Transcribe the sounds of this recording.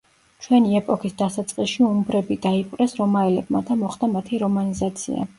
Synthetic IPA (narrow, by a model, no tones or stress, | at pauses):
t͡ʃʰwɛniɛpʼɔkʰisd̪asat̪sʼqʼiʃiumbɾɛbid̪aipʼɾɛsɾɔmaɛlɛbmad̪amɔχd̪amat̪ʰiɾɔmanizat̪sʰḭa̰